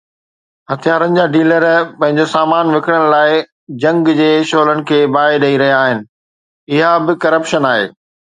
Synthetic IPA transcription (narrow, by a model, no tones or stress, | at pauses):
hɐt̪ʰijaːɾənɪ̆d͡ʑaːɖiːləɾpɐ̃ɦɪ̃ɲd͡ʑosaːmaːnʋɪkɪɽəɽ̃̆laːɪ | d͡ʑɐ̃ŋɡd͡ʑeːʃoːlənɪ̆kʰeːbaːeɗɐiɾɐɦijaaːɦɪnɪ̆ | ɪɦabɪkɐɾəpʃənaːɦḛː